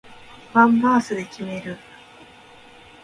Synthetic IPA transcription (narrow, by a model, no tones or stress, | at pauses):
b̥ãmbaːsɨd̪e̞kʲime̞ɾɯ̟